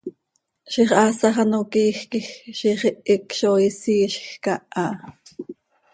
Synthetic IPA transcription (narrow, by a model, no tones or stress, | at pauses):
ʃiχʔɑːsɑχɑnokiːxkixʃiχiʔikʃoːisiːʃxkɑʔɑ